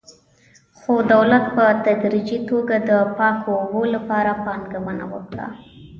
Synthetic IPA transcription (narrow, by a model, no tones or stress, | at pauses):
xod̪awlat̪̚pət̪ad̪ɾid͡ʒit̪oɡad̪əpɑkobolapɑɾapɑnɡaməna̰wə̰kɽa̰